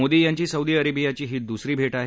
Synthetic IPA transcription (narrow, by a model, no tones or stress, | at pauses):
od̪iːjaɲt͡ɕiːsəud̪iəɾebijat͡ɕiːɦiːt̪̚d̪usɾiːbʱeʈaɦe